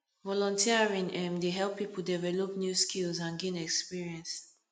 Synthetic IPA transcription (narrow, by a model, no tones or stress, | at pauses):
vɔlɔ̃ntʰiɹĩŋɛ̃mdeɦɛlpʰːipuldɛvɛlɔpnjuskʰilzãnɡɛnɛkspiɹiɛ̃ns